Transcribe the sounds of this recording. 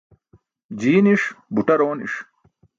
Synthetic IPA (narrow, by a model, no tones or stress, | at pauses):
d͡ʑiːniʂbuʈɐɾoːnḭʂ